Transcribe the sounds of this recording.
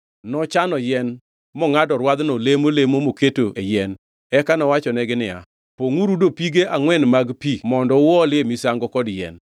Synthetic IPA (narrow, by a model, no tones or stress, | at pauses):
nɔt͡ʃanɔjɛn | mɔŋadɔɾwad̪nɔlemolemomoketoʔejɛn | ɛkanɔwat͡ʃɔnɛɡɪnɪa̰ | poŋuɾudopiɡeʔaŋwɛnmaɡpimɔndɔwɔlɪemisaŋɡɔkɔdjɛ̰n